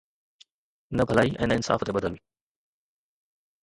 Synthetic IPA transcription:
nɐbʱɐlaːiʔɛ̃ːnəɪnsa̰ːft̪eɓɐd̪əlʋĩː

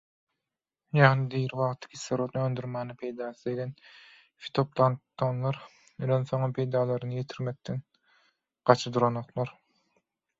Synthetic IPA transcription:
jɑʁnɯd̪iɾiβɑʁt̪ʰɯ̥kʲʰisːeɾot̪nønd̪yɾmæːnɪpʰe̞jd̪ɑːsɯzeɡʲen | fi̥t̪ʰop̚t̪ʰɑnt̪ʰːonlˠɑɾ | elenθoŋɯpʰe̞jd̪ɑːlˠɑɾɯnɯje̞t̪ʰiɾmek̚t̪en | ɢ̥ɑt͡ʃʰɯd̪uɾonoq̪lˠɑɾ

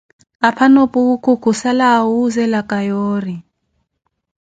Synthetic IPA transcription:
apʰanopʼukʰukʰusalawuzɛlakʼajoːri

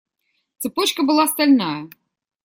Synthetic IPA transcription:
t̪sɨpɔt͡ɕkɐbɨlˠast̪alʲnajɐ

